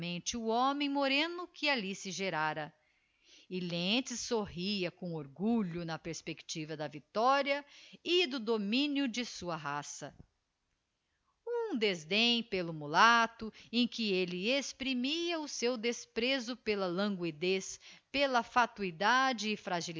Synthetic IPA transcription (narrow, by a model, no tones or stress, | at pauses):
mẽnt͡ʃɪʊõmẽj̃moɾẽnʊkɪalisɪʒeɾaɾɐ | ɪlẽt͡ʃɪsoɦiɐkõw̃oɾɡuʎʊnɐpeɾspekt͡ʃivɐd̪ɐvit̪ɔɾjɐɪd̪ʊd̪omĩnjʊd͡ʒɪsuɐɦasɐ | ũd̪ezd̪ẽj̃pelʊmulat̪ʊẽj̃kɪelɪespɾimiɐʊsewd̪espɾezʊpelɐlɐ̃ŋɡwid̪espelɐfat̪uid̪ad͡ʒɪːfɾaʒil